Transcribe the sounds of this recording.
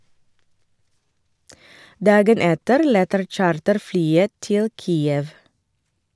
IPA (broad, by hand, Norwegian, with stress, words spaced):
ˈdɑːɡən ˈɛtəɾ ˈlɛtəɾ ˈc͡çɑːɾtəɾˌflyːə ˈtɪl ˈkiːəʋ